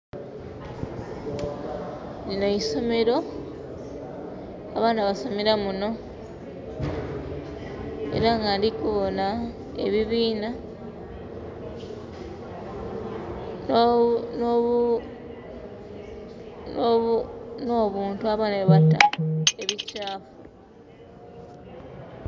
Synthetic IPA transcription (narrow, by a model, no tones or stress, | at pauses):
ninoiso̞me̞ɾo̞ | βaːnaβasomeɾamuno̞ | ḛɾaŋɡandikuβo̞na | e̞βiβiːna | n | no̞ːβuːntuaβaneβata̰e̞βicaːfu